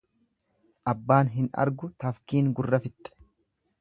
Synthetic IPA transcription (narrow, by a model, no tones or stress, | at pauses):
ʔɐbːaːnɦɪnɐ̰ɾɡʊt̪ɐfkiːŋɡʊrːɐfɪt̪ʼːɛ̥